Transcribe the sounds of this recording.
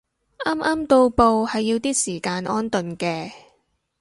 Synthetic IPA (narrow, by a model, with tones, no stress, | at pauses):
ʔaː˥mʔaː˥mt̪o˧wpo˨˧whɐ˨jːiː˧wt̪iː˥siː˨˩kaː˧nʔɔː˥nt̪ɵ˨nkɛː˧